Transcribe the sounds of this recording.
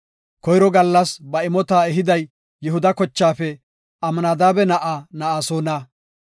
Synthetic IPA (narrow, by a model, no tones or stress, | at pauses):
kɔjɾɔɡɐlːɐsbɐɪmɔt̪aːɛɦɪd̪ɐj | jɛɦʊd̪ɐkɔt͡ʃːaːfɛ | ɐmɐnaːd̪aːbɛnɐʔanɐʔaːsoːnɐː